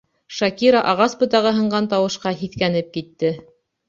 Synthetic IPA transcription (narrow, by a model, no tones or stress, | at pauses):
ʃɑkiɾɑʔɑʁɑsbɤ̆t̪ɑʁɤ̆ɦɤ̆ɴɢɑnt̪ɑwɤ̆ʃqɑɦiθkænɘp̚kit̪ːɘ